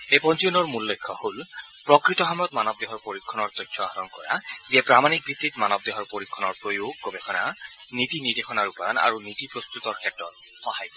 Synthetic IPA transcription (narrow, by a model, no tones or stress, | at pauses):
epɔnt͡ʃunɔɹmulːekʰːɔholpɹɔkɹit̪ɔxamɹɔt̪manɔb̚d̪eɦɔɹpoɹikʰːɔnɔɹt̪ɔjtʰːɔaɦɔɹɔnkɔ̰ɹa̰ziɛpɹamanik̚bʱit̪ːit̪manɔb̚d̪eɦɔɹpoɹikʰːɔnɔɹpɹojoɡ̚ːobexʰɔnanit̪inid̪exʰɔnaɹupaɹɔna̰ɹunit̪ipɹɔst̪ut̪ɔɹkʰɛtːɹɔt | xɔhajk